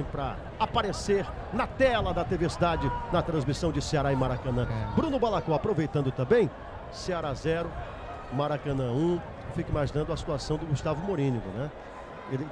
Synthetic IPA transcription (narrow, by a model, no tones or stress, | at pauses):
pɾɐ | apaɾeseɾ | nɐt̪ɛlɐd̪ɐt̪eveɾsid̪ad͡ʒɪnɐt̪ɾɐ̃zmisɐ̃w̃d͡ʒɪseaɾaɪ̃maɾakɐ̃nɐ̃bɾũnʊbalakõapɾovejt̪ɐ̃d̪ʊt̪ɐ̃mbẽj̃ | seaɾazɛɾʊ | maɾakɐ̃nɐ̃ũ | fikimaʒĩnɐ̃d̪ʊɐsi̥t̪uasɐ̃w̃d̪ʊɡust̪avʊmoɾĩniɡʊ̰nɛ | elɪ